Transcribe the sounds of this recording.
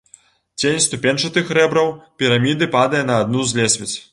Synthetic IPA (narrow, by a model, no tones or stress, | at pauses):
t͡sʲenʲst̪upʲenʲt͡ʂɐt̪ɨxɾɛbɾɐwpʲiɾamʲid̪ɨpad̪ɐjɛnɐːd̪̚nuzʲlʲɛsʲvʲɛt͡sʲ